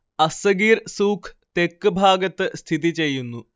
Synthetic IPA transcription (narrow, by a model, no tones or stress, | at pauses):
ɐsɐɡiːrsuːkʰ | t̪e̞kːɨbʱaːɡɐt̪ːɨst̪ʰiðit͡ɕe̞jːunːu